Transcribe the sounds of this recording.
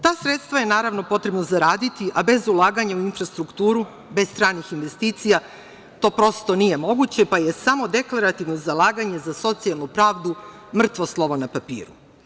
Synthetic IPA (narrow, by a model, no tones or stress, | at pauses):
t̪aːsɾet̪st̪ʋaje̞naːɾaʋno̞po̞t̪ɾe̞bnozaɾaːd̪it̪iʔabe̞zulˠaːɡaɲauinfɾast̪ɾukt̪uːɾu | be̞st̪ɾaːnixinʋe̞st̪iːt̪sija | t̪o̞ːpɾo̞st̪o̞nije̞mo̞ɡut͡ɕepaje̞samo̞d̪e̞klˠaɾat̪iʋnozalˠaːɡaɲe̞zaso̞t̪sialˠnupɾaːʋd̪u | mr̩t̪ʋoslˠo̞ʋonapapḭːɾṵ